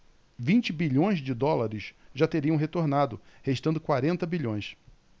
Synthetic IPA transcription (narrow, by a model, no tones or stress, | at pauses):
vĩnt͡ʃɪbiʎõj̃zd͡ʒɪd̪ɔlaɾɪsʒat̪eɾiɐ̃w̃ɦet̪oɾnad̪ʊheʃt̪ɐ̃nd̪ʊkwaɾẽnt̪ɐbiʎõj̃s